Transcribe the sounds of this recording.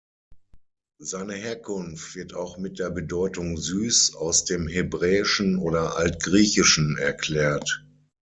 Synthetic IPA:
zaɪnəɦeːɐkʰʊnftv̥ɪɐtaʊxmɪt̚d̥eːɐbədɔʏtʊŋzyːsaʊsd̥eːmɦebʁɛːɪʃn̩ʔoːɾɐʔaltɡ̥ʁiːçɪʃn̩ɛɐkl̥ɛːɐt

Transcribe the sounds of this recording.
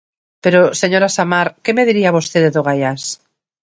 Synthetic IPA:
peɾoseɲoɾasamaɾkemeðiɾiaβost̪eðeðoɣajas

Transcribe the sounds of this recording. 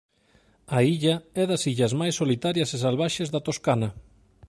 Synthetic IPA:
aiʎɐɛðɐsiʎɐzmajsːolit̪aɾjɐses̬alβaʃezðɐt̪oskanɐ

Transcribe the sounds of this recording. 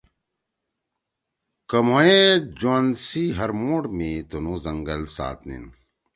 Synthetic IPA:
kɐmoed͡ʑonsiɦɐɾmoːʈmit̪unuzɐŋɡɐlsa̰ːt̪nḭn

